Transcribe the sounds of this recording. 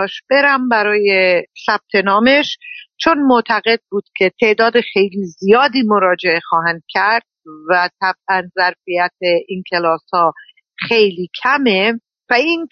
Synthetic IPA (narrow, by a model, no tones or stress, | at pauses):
ʃb̥e̞ɾæmbæɾɒːjesæb̥̚t̪ʰe̞nɒːme̞ʃt͡ʃʰonmot̪ʰæɣe̞d̪̚buːd̪̥cʰe̞t̪ʰe̞ʔd̪ɒːd̪exe̞jliːzijɒːd̪iːmo̞ɾɒːd͡ʒe̞ʔe̞xɒːɦænd̪̥̚cʲʰæɾd̪̥̚væt̪ʰæb̥̚ʔænzæɾfijæt̪̚ʰeʔincʰe̞lɒːshɒː | xe̞jliːcʰæme | væin